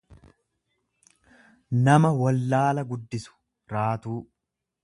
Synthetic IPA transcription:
nɐmɐwɐlːaːlɐɡʊd̪ːɪsʊ̥ | ɾaːt̪uː

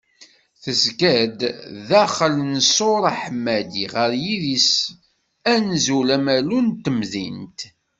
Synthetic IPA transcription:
θəzkæd̪ðæχəlnsoɾˤaħmːæd̪iʁəɾjiðis | ænzulæmælunt̪əmðint̪

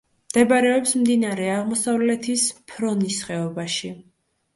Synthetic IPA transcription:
md̪̥ɛbaɾɛɔpsmd̪inaɾɛaʁmɔsavlɛt̪ʰispʰɾɔnisχɛɔbaʃi

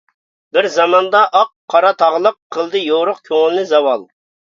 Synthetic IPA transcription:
bɪɾzɑmɑnd̪ɑʔɑqʰːɑɾɑt̪ʰɑʁlˠəqʰːəlˠd̪ɨjoɾʊqkʲʰøŋɪlnɪzɑwɑlˠ

